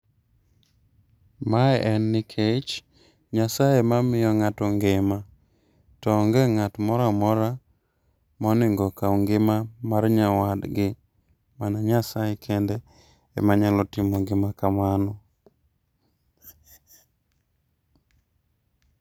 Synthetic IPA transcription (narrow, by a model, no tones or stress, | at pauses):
maɛʔɛnːɪkʰet͡ʃ | ɲasajemamɪjɔŋatɔŋɡɪma | tɔŋɡɛŋatmɔɾamɔɾa | mɔnɪŋɡɔkauŋɡɪmamaɾɲawadɡɪ | manaɲasajekʰendɛ | ɛ̰maɲalɔtɪmɔɡɪmakamanɔ